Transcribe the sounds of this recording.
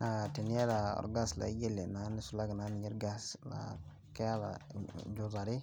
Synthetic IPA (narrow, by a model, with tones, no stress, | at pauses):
na˨te˨nje˦laɔ̰˨ɾɡa˦sla̰˨i˦ɡe˦lːe˨na˨ni˦sula˦ɡna˦ni˨ɲi˦ɾɡa˦sla̰ | ke˦a˦la̰d͡ʒu˨za˨ɾi˦